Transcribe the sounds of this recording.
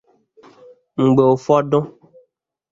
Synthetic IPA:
ŋ̩˨ɡ͡be˨wo˨fɔ˦ɖɔ̃˦

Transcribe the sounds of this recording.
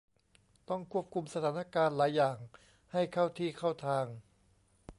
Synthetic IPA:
t̪ɔ˥˩ŋkʰu˥˩əp̚kʰu˧msa˧t̪ʰaː˩˦˥na˥˧kaː˧nlaː˩˦jːaː˨˩ŋ | ha˥˩jkʰa˥˩wt̪ʰiː˥˩kʰa˥˩wt̪ʰaː˧ŋ

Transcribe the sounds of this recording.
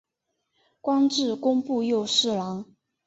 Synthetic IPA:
kwɑ˥ŋʈ͡ʂɻ̩˥˩kʊ˥ŋpu˥˧jo˥˧ʊʂɻ̩˥˩lɑ˧˥ŋ

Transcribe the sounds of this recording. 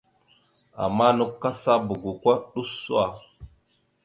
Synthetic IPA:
a̰˨mːa˦nu˦kːa˦sa˦bu˨ɡu˨kʷa˦ɗu˦su˦a˦˨

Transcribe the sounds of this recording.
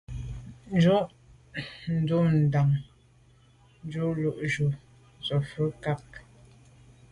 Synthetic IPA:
n˦d͡ʒu˦ʔ | n̩˨˦du˦n̩˨da˨ŋ | n˦d͡ʒu˦lu˦˨ʔd͡ʒu˨ | zɔ˨fə˦ka˦k̚

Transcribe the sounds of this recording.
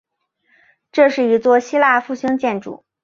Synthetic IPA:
ʈ͡ʂɤ˥˧ʂɻ̩˥˩i˧˥t͡swɔ˥˩ɕi˥la˥˧fu˥˩ɕi˥ŋt͡ɕjɛ˥˩nʈ͡ʂṵ˨˩˦

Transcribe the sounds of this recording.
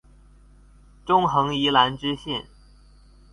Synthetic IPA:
ʈ͡ʂʊ˥ŋxɤ˧˥ŋi˧˥la˧˥nʈ͡ʂɻ̩˥ɕjɛ˥˩n

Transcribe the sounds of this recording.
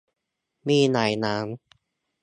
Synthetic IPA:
miː˥˩naː˨˩jnaː˦˥m

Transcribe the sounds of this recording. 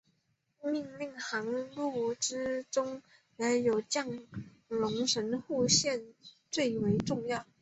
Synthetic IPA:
mi˥˧ŋli˥˩ŋxɑ˧˥ŋlu˥˩ʈ͡ʂɻ̩˥ʈ͡ʂʊ˥ŋ | ja˧˥njo˨˩ʊt͡ɕjɑ˥˩ŋ | lʊ˧˥ŋʂə˧˥nxu˥˧ɕjɛ˥˧nt͡swe˥˩ɪwe˧˥ɪʈ͡ʂʊ˥˧ŋjɑ˥˩ʊ

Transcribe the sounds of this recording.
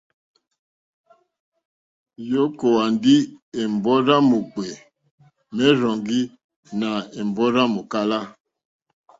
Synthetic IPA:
jo˦ko˨wa˨ndi˦e˨m˨bɔ˦ɾa˦mu˨k͡pɛ˨ | mɛ˦ɾɔ˨ŋɡi˦ | na˨e˨m˨bɔ˦ɾa˦mu˨ka˦la˦

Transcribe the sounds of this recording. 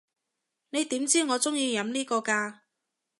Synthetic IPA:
ne˨˧jt̪iː˨˥mt͡siː˥ŋɔː˨˧t͡sʊ˥ŋjiː˧jɐ˨˧˥mniː˥kɔː˧kaː˧

